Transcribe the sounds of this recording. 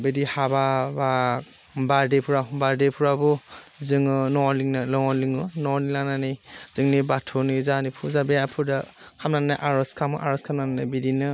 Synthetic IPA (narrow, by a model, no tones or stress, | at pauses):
bedihababa | badepʰuɾabaɾdepʰuɾabɔzɯŋɯnɔliŋnɯlɔŋɔliŋɯnɔnilaŋnanɯjzɯŋnibatʰɔnɯzanipʰuzabejapʰuda | kʰamnanaʔaɾɔskʰamɯʔaɾɔskʰamnananabidinɯ